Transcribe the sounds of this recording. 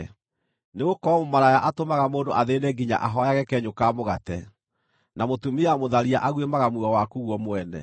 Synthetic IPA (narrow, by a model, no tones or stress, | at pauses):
neɣokɔmomaɾajaʔatomaɣamoːndoʔaðeːneɡiɲa̰ʔaɦɔjaɣɛkɛɲokaːmoɣatɛ | namotumiamoðaɾiaʔaɣwemaɣamwuɔwakuɣwɔmwɛnɛ̰